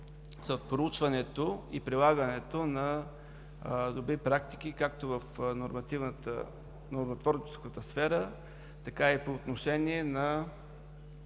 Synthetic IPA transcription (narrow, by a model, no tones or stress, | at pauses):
st̪pɾout͡ʃvɐnɛt̪oipɾilˠaɡənɛt̪onɐ | d̪obɾipɾakt̪i̥k̟ikak̚t̪ovəfnoɾmɐt̪ivnt̪ə̰ | noɾmɐt̪vɔɾt͡ʃɛ̥skət̪əsfɛɾə | t̪ɐkaipoːt̪noʃɛniɛnɐ